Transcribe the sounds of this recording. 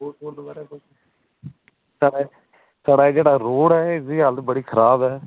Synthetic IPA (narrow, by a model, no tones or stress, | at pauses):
uuːɾd̪baːɾekʊ | saːɽa | saːɽaːd͡ʒeːɽaːɾoːɽɛːɪsd̪iːɦələt̪bəɽiːkʰəɾaːbɛː